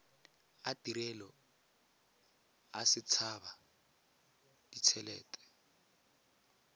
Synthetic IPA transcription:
atiɾɛlɔ | asɪt͡sʰaba | d̥it͡sʰɛlɛ̰ːtʼɛ̥

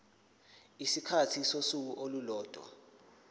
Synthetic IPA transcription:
isikʰatʰisosuk̬uʔolulɔːd̥ʱwa̰

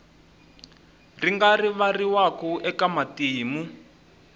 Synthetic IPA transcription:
riŋɡariβariwakuʔɛkamatiːmu

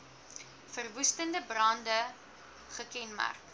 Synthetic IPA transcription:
fərvustəndəbrɑndə | χəkɛnma̰rk

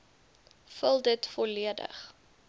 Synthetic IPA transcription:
fəlˠdətfɔliədə̰χ

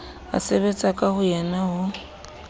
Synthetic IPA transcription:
a̰seβet͡sʼakʼahʊjɛnaɦʊ

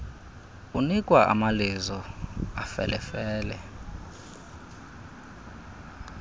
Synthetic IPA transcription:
unikʼwaʔa̰malizɔafɛ̰lʔɛfɛːlɛ

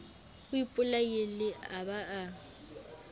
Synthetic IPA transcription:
ʊipʼʊlajelɪabaʔa

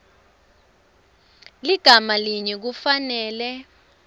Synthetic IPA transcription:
liɡ̥ʱamaliɲɛk̬ufanɛːlɛ

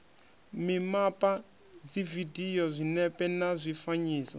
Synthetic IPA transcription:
mimapʼa | d͡zividijɔzʷinɛpʼɛnazʷifaɲiːsɔ

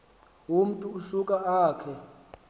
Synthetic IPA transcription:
um̩tʼuːsukʼaaːkʰɛ

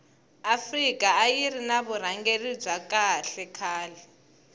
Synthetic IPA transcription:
afrikʼaːjirinaβur̤aŋɡerib͡ʐwakʼaɬɛkʰaːlɛ

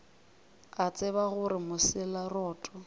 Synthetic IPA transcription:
at͡sʼɪbaɣʊɾɪmʊsɪlarɔːtʼɔ

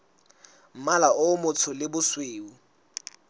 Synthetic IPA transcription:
m̩malaʊmʊt͡sʰʊlɪbʊsweːu

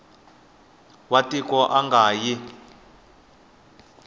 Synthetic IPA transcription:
watʼikʼɔʔaŋɡʱaːji

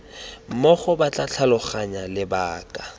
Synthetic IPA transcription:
m̩mɔχʊbat͡ɬʼat͡ɬʰalʊχaɲalɪbaːkʼa

